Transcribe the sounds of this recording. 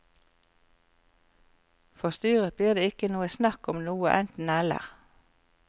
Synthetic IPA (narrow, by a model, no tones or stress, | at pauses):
fɔʁst̪yːʁəbliːʁd̪eːɪkənuːəsnɑkɔmnuːəʔɛnt̪n̩ɛlə̰ʁ